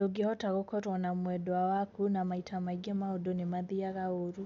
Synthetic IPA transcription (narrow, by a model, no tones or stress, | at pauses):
oɡehɔtaɣokɔtwanamwɛdɔawakunamaitʰamaiɡɛmaodonemaðiaɣaoɾu